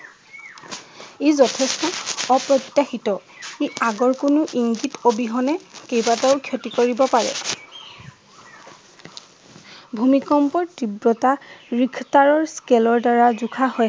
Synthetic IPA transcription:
ezɔtʰɛstɔɔpɹɔtːjaxitɔ | eaɡɔɹkʊnʊʔiŋɡitobiɦɔnɛkejbataʊkʰjotikoɹibɔpaɹɛ̰ | bʱumikɔmpɔɹtibɹɔtaɹikʰtaɹɔɹskɛlɔɹdaɹazukʰahɔj

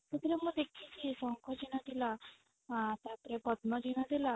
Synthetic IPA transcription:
t̪et̪iɾemũd̪ekʰit͡ʃʰisɔŋkʰɔd͡ʒiɽ̃ad̪ila | t̪ap̪ɾepəd̪nɔd͡ʒiɽ̃ad̪ila

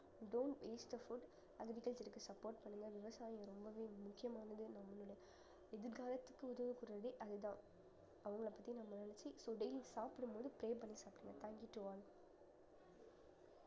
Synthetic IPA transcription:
ɖoːɳʈʋeːsʈɐfʊɖ | ɐɡɐʋɪkɐɭsɪɾɯkːɯsɐpːoːɾʈpɐɳːɯŋɡɐʋɪʋɐsaːjɐɾɔmbɐʋeːmʊkːɪjɐmaːnɐðɯnɐmːɐlʊɽɐjɐ | ɛðɪɾɡaːɾɐt̪ːɯkːɯʊðɐʋɯkːʊɾɐɽiʔɐðɯt̪ãː | ɐʋɐŋɡɐɭɐpːɐt̪ːinɐmːɐnɪnɐɾt͡ʃːisoːɖɐɪlɪsaːpɪɽɯmpoːðɯpɪɾeːp̬ɐɳːisaːpɪɽɯŋɡɐt̪aːŋɡjuʈːuaːl

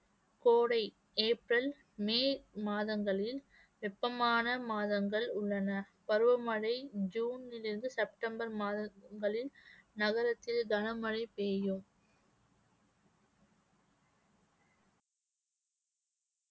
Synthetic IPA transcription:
koːɽɐɪ | eːpɾɐl | meːmaːðɐŋɡɐɭɪl | ʋɛpːɐmaːnɐmaːðɐŋɡɐɭʊɭːɐnɐ | pɐɾɯʋɐmɐɻɐɪd͡ʒuːnɪlɪɾɯnd̪ɯsɛp̚ʈɐmbɐɾmaːðɐŋɡɐɭɪlnɐɣɐɾɐt̪ːɪlɡ̪ɐnɐmɐɻɐɪpeːjɯm

